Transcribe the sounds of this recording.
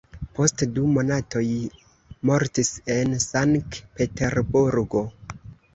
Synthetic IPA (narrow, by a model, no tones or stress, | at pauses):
po̞stdumo̞nato̞j | mo̞ɾtise̞nsaŋktpe̞teɾbuɾɡo̞